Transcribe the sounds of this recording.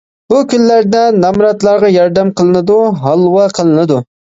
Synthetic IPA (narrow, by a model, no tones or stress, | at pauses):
bukʲynːæɾd̪ɛnɑmɾɑt̪lˠɑɾʁɑjɑɾd̪ɛmqʰəlˠɨnɨd̪uɦɑlˠwɑqʰəlˠɨnɨd̪u